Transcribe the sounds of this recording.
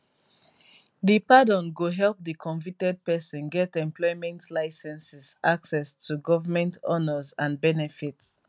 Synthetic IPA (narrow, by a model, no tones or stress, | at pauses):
ðipadɔ̃nɡoɦɛlˠp̚ðikʰɔ̃ɱvik̚tɛd̚pɛsɔ̃nɡɛtɛ̃mplɔɪmɛ̃ntlaɪsɛ̃nsizʔaksɛstʰuɡɔvəmɛ̃ntɔnəzãnbɛnɛfits